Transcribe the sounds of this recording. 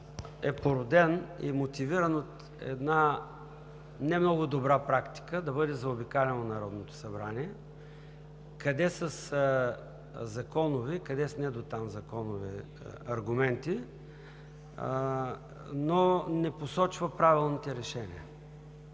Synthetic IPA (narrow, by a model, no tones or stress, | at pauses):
ɛpoɾod̪ɛnḭmot̪iviɾənot̪ | ɛ̰d̪na | nɛmnɔɡʊd̪obɾapɾakt̪i̥kəd̪ɐbɤd̪ɛzɐobikalɛnonɐɾɔd̪not̪o̥sɐbɾaniɛ | kɐd̪ɛsəs | zɐkɔnʊvikɐd̪ɛsnɛd̪ot̪amzɐkɔnʊvɛ̰ | ɐɾɡʊmɛnt̪i | nonɛposɔt͡ʃvəpɾavilˠnit̪ɛɾɛʃɛnḭə